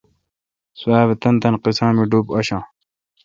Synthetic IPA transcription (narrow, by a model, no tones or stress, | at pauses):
suaːβet̪ɐnt̪ɐnqisãːmiɖuːpɐɕãː